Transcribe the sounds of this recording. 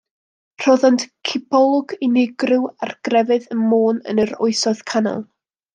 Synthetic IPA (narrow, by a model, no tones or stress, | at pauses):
r̥ɔðantkʰɪpʰɔlˠɔɡɪnɪɡrɪwa̰rɡ̥rɛvɨðənmoːnə̰nəɾʊɨsɔð̥kʰanɔ̰lˠ